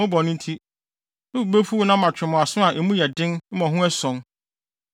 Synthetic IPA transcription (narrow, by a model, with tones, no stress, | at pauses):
ʊ̃˦bɔ˨nʊ̃˦n˦tʰi˦ | nʊ̃˦u˨be˦fu˦nã˦mã˨t͡ɕᶣɪ˨mʊ̃˨a˨sʊ̃˦a˨ʔe˨mũ˦jɛ˨dɪ̃˦n̩˦mɔ̃˨ɦʊ̃˦ɛ˦sɔ̃˨˦n